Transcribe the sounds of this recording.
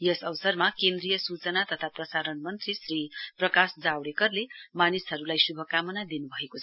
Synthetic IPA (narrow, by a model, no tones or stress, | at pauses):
jʌsʌwsʌrmakend̪rijʌsut͡sʌnat̪ʌt̪ʰaprʌsaɾʌnmʌnt̪risriprʌkasd͡zawɽekʌrlemanisɦʌɾulajsubʱʌkamʌnad̪inubʱʌekot͡sʰʌ